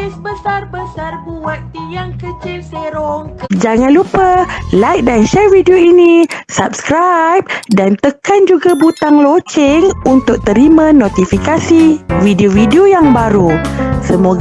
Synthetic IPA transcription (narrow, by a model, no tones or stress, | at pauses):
sbəsarbəarbuat̪̚t̪ijaŋkət͡ʃilseɾɔŋd͡ʒaŋãnlupalajk̚danʃɛrvidioinĩsap̚skɾajp̚dant̪əkand͡ʒuɡabut̪aŋlot͡ʃɪŋunt̪ʊk̚t̪əɾimãnõt̪ifikasividiovidiojaŋbaɾusəmoɡ